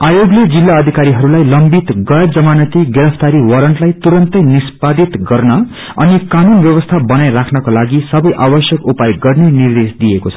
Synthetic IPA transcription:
ajoɡled͡zilːaʌd̪ʱikaɾiɦʌɾulajlʌmbit̪ɡʌjʌd͡zʌmanʌt̪iɡeɾʌpʰt̪aɾiwʌɾʌɳʈlajt̪uɾʌnt̪ʌjnispad̪it̪ɡʌrnʌ | ʌnikanunbjʌwʌst̪ʰabʌnajrakʰnʌkolaɡisʌbʌjʔabʌsjʌkupajɡʌrnenird̪esd̪ijekot͡sʰʌ̥

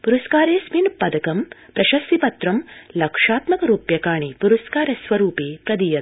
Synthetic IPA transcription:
puɾɐskaːɾeːsminpɐd̪ɐkɐmpɾɐʃɐsipɐt̪ɾɐmlɐkʂaːt̪mɐkɐɾuːpjɐkaːɳ̃ipuɾɐskaːɾɐsʋɐɾuːpeːpɾɐd̪ijɐt̪̚

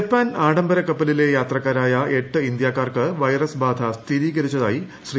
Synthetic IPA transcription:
pːaːnaːɽɐmbɐɾɐkːɐpːɐlile̞jaːt̪rɐkːaːɾaːjɐeʈːɨind̪jaːkːaːrkɨʋɐjrɐsbaːd̪ʱɐst̪iɾiːɣɐɾit͡ɕːɐðaːji | ɕri

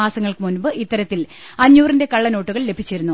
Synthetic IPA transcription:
aːsɐŋːɐɭkɨmunbɨʔit̪ːɐɾɐt̪ːilɐɲːuːrinde̞kɐɭːɐno̞ːʈːuɣɐɭle̞bʱit͡ɕːiɾunːu

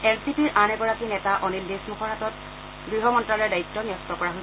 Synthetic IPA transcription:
ɛlsipiɹʔanɛɡɔɹakinɛtaʔɔnildesmuxʰɔɹatɔt | ɡɹiɦɔmɔntɹalɔɹdaitːɔniɔstɔkɔɹaɦo

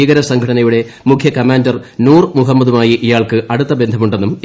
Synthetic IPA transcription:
iːɣɐɾɐsɐŋɡʱɐɽɐnɐjuɽe̞mukʰjɐkɐmaːndɐrnuːrmuɦɐmːɐðumaːjiʔijaːɭkɨʔɐɽut̪ːɐbe̞nd̪ʱɐmuɳɖe̞nːum

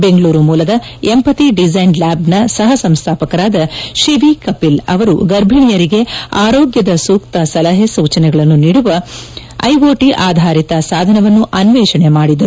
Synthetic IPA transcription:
be̞ŋɡɭuːɾumuːlɐd̪ɐ | empɐt̪iɖid͡ʒɐjnlaːbnɐsɐɦɐsɐmst̪ʰaːpɐkɐɾaːd̪ɐʃiʋikɐpilɐ̰ʋɐɾṵɡɐɾbʱiɳijɐɾiɡe̞aːɾoːɡjɐd̪ɐsuːkt̪ɐsɐlɐɦesuːt͡ʃɐnɛɡɐɭɐnːuniːɽuʋɐ | ɐ̰jʋoːʈiʔaːd̪ʱaːɾit̪ɐsaːd̪ʱɐnɐʋɐnːuʔɐnʋɛːʃɐɳemaːɽid̪ɐɾuu

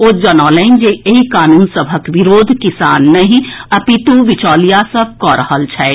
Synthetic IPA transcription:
oːd͡ʒənaːlɛ̃ɪnd͡ʒeeikaːnuːnsəbʱəkʋiɾoːd̪ʱkɪsaːnːəɦĩɐpit̪uʋɪt͡ʃɔːlijasəb̚ʱkɔɾəɦəlt͡ʃʰɛː

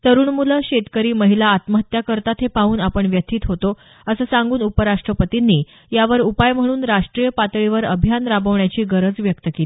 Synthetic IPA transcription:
t̪əɾuːɳmuləɕet̪kəɾiːməɦilaːt̪məɦət̪jakəɾt̪at̪ʰepaɦuːnapəɳʋjət̪ʰiːt̪ɦot̪o | əsəːsãŋɡuːnupəɾaʂʈɾəpət̪inːiː | jaʋəɾupajm̤əɽ̃uːnɾaʂʈɾijəpat̪ɭiʋəɾəbʱjanɾabəʋɳjat͡ɕiːɡəɾəd͡zʋjəkt̪əkelii

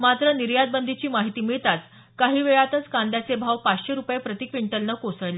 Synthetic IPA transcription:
mat̪ɾəniɾjad̪̚bənd̪ʱit͡ɕiːmaɦit̪iːmiɭt̪at͡s | kaɦiːʋeɭat̪ət͡skãnd̪jat͡sebʱaʋpat͡sɕeɾupjepɾət̪ikʋiɳʈəlnəkosəɭle

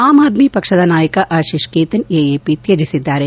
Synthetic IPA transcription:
aːmaːd̪miːpɐkʃɐd̪anaːjəkaʔaːʃiʃkeːt̪ɐneːeːpit̪jɐd͡ʒisɪd̪ːaːɾe

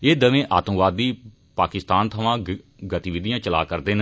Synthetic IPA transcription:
eːd̪əʋẽːʔa̰ːt̪ːʋaːd̪ːiː | paːkɪst̪aːnt̪ʰəʋãː | ɡət̪iːʋɪd̪ijãːt͡ʃəla̰ːkəɾd̪eːn

